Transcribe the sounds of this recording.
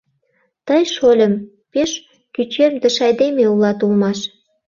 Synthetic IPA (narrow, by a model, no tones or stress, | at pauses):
t̪əjʃolʲə̆m | peʃ | kyt͡ɕemd̪ə̆ʃɑjd̪emeulɑt̪ulmɑʃ